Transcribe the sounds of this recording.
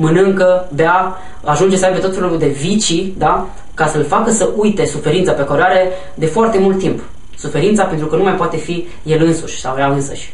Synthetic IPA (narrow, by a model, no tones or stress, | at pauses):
mɨnɨŋkəbea | aʒund͡ʒe̞sabet̪ot̪fe̞lud̪e̞vit͡ʃid̪a | kasəlfakəsəʔujt̪e̞sufe̞ɾint̪sapekoɾeaɾe̞ | d̪e̞foart̪e̞mult̪ːimp | sufe̞ɾint̪sapent̪ɾukənumajpoat̪e̞fi | je̞lɨnsuʃʲsa̰wvɾeaɨnsə̰ʃʲ